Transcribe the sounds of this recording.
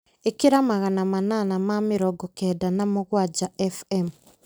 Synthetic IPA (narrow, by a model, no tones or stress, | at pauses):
ekeɾamaɣanamananamameɾɔɡɔkɛdanamoɣwad͡ʒaɛfɛm